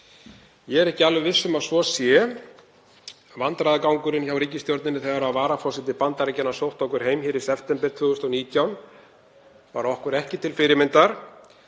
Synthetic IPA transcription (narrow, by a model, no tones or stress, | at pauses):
jɛɛɾɛhcɪalvʏvɪðsʏmaðsvɔsjɛ | vant̪ɾajðɪkawŋkʏɾɪnçawɾiːc̬ɪst̪jowɾt̪nɪnːɪθɛɣaɾaðvaːɾafɔsɪt̪ɪpant̪aɾɛcɛnːasowht̪ɔhkʏɾ̥ɦeːjmçɪːɾɪsɛft̪ɛmpɛɾ̥t̪ʰvʏːɣʏst̪ɔniːt̪ʰjawn | va̰ɾɔhkʏɾɛhcɪt̪ʰɪlfɪɾɪmɪnt̪aɾ̥